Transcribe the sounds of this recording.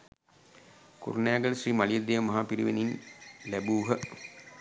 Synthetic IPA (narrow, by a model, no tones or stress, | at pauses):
kṵɾunæːɡəlʃriːmalied̪ːeːʋəmɐɦaːpiɾiʋeninlæbuːɦə